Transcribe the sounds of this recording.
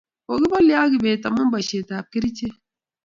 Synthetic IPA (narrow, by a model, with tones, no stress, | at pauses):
o˨ɡi˦ba˦li˨a˦ɡi˨be˨ta˨mu˦ba˨ʃe˨ta˨ki˦ɾi˦t͡ʃe˦